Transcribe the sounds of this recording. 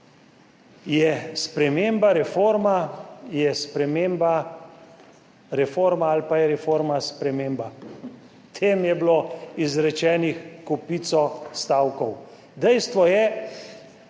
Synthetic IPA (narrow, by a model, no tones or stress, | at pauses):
jɛspɾɛmeːmbaɾɛfoːɾmajɛspɾɛmemba | ɾɛfoɾmaalpajɛɾɛfoːɾmaspɾɛmeːmba | t̪ʰeːmjɛbloizɾɛt͡ʃɛːnixkɔpit̪sɔst̪aːwkɔw | d̪ɛjst̪ʋɔjɛ